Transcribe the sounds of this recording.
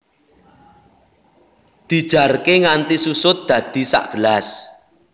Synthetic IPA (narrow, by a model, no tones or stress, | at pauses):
d̪̥i̤d̥ʒ̥a̤rkeŋant̪isusʊt̪̚d̪̥ä̤d̪̥i̤sa̰ʔɡ̥əlas